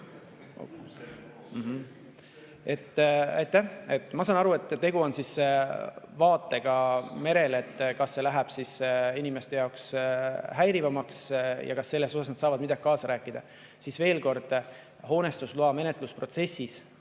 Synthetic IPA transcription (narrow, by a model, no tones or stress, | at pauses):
m̩ɦ | e̞t̪ːæjt̪ːˑæhe̞t̪ːˑmɑsɑnɑɾue̞t̪ˑːe̞ɡuo̞nsis | vɑːt̪ːˑe̞ɡ̥ɑme̞ɾe̞le̞t̪ːkɑsːe̞læɦæb̥sisinimest̪e̞jɑoksɦæjɾivɑmɑksjɑ̰kɑsːe̞lːe̞so̞sɑsnɑd̪̥sɑːvɑd̪mid̪ɑɡ̥̚kɑːsɑɾæːkːˑid̪̥ɑ | sisve̞ːlko̞rd̪̥ | ho̞ːne̞st̪usluɑme̞net̪ˑluspro̞t̪se̞sːis